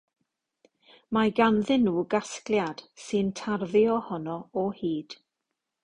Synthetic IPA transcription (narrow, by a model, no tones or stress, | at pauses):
maɡanðɪnːuːɡaskljad̥sɨntʰarðɪɔhɔnɔɔhiːd̥